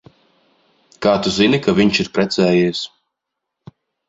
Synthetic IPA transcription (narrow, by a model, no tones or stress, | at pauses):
kaːt̪uzinikavʲiɲt͡ʃiɾpɾɛt̪sɛːjiːs